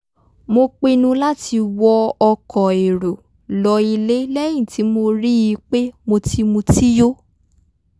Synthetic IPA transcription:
mo˧k͡pe˧nũ˧la˦ti˧wɔ˧ɔ˧kɔ˨e˨ɾo˨ | lɔ˨˧i˧le˦lɛ˦j̃ĩ˦˨ti˨˦mo˧ɾi˦ji˧k͡pe˦mo˧ti˧mũ˧ti˦jo˦

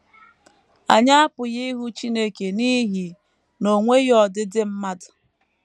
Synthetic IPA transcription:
a˨ɲa˦a˦pʊ˨ji˦ɦu˦t͡ʃi˦ne˦ke˨ni˦ɦi˨ | no˨ŋʷe˦jɔ˨dɪ˦dɪ˦m̩˦ma˦dʊ̥˨

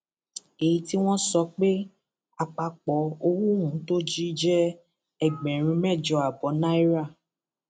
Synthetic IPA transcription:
e˨ji˧ti˦w̃ɔ̃˦sɔ˧k͡pe˦ | a˨k͡pa˧k͡pɔ˨˦o˧wu˦hũ˨˦to˦d͡ʒi˦d͡ʒɛ˦ | ɛ˦˨ɡ͡bɛ̃˨ɾ̃ĩ˧mɛ˦˨d͡ʒɔ˧a˨bɔ˨˦nã˦i˦ɾa˦˨

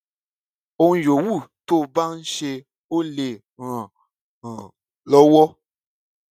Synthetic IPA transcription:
o˦n˦jo˨wu˦˨to˦ba˦ʃe˧ | o˦le˨ | ɣa˨ | lɔ˦wɔ˦

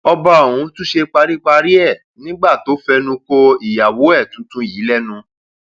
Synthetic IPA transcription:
ɔ˧ba˧o˨wũ˧˦tũ˦ʃe˧k͡pa˧ɾi˦k͡pa˧ɾi˦ɛ˦˨ | nĩ˦ɡ͡ba˦˨to˨˦fɛ˧nũ˧ko˧i˨ja˨wo˨˦ɛ˦˨tũ˨˦tũ˦ji˨˦lɛ˦nũ˧

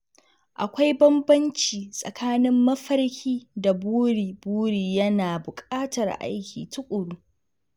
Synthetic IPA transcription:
ʔa˨kʷa˦jbɐ˦mbɐ˦nt͡ʃiː˨sʼɐ̰˨kʰaː˦nɪ˦mːɐ˦ɸɐ˦ɽkʲʰiː˦da˨buː˦ɽiː˨buː˦ɽiː˨jɐ˦naː˨bʊ˨kʼaː˦tɐ˨rʔa̰˦jkʲḭː˨tʊ˦kʷʼʊ˨ɽuː˦

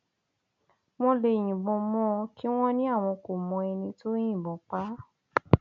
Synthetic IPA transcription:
w̃ɔ̃˦le˧j̃ĩ˨bɔ̃˧mɔ̃˦˧ki˦w̃ɔ̃˦nĩ˦a˦˨w̃ɔ̃˧ko˨mɔ̃˧ɛ˧nĩ˧to˦j̃ĩ˦˨bɔ̃˨˦k͡pa˦

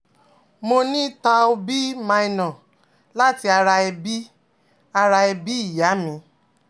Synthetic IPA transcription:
mo˧nĩ˦ta˧o˧bi˦mã˧i˧nɔ̃˨ | la˦ti˧a˧ɾa˧ɛ˧bi˦ | a˧ɾa˧ɛ˧bi˦i˦˨ja˨˦mĩ˨˦

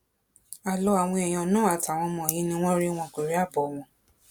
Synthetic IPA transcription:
a˨lɔ˧˦a˨w̃ɔ̃˧ɛ˨j̃ɔ̃˧˨nũ˦a˨ta˨w̃ɔ̃˧mɔ̃˧˨jĩ˨˦nĩ˦w̃ɔ̃˦ɾi˦w̃ɔ̃˧˨ke˨ɾe˦a˦˨bɔ˨w̃ɔ̃˧

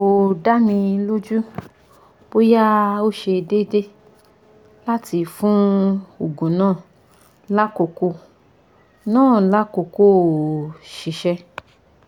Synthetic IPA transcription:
o˧da˦nĩ˧lo˦d͡ʒu˦ | b̥o˦ja˦o˦ʃe˧de˦de˦ | la˦ti˧fũ˦o˨ɡũ˨nãː˦˨ | la˦ko˨ko˧ | nãː˦˨la˦ko˨ko˦˨ʃi˨ʃɛ˧

